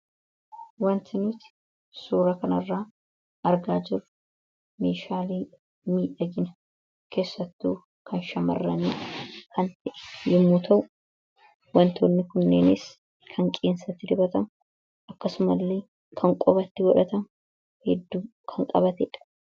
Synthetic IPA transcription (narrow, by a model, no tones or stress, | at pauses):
wɐnt̪ɪnʊt̪ɪ̥ | suːɾɐkɐnɐrːaː | ɐɾɡaːd͡ʒɪrʊ̥ | meːʃaːleː | miːᶑɐɡɪnɐ | kʰe̞ːsːɐt̪ːuː | kʰɐnʃɐmɐ̰rːɐniːkʰɐnt̪ɛʔɛ̥jɪmːuːt̪ʰɐʔʊ | wɐnt̪onːɪkʊnːeːnɪs | kʰɐŋkʼeːnsɐt̪ːɪd̪ɪbɐt̪ɐm | ʔɐkːɐsʊmɐlːeː | kʰɐŋkʼɔbɐt̪ːɪwɔᶑɐt̪ɐmʊ | hɛd̪ːuː | kʰɐŋkʼɐbɐt̪ɛᶑɐ̥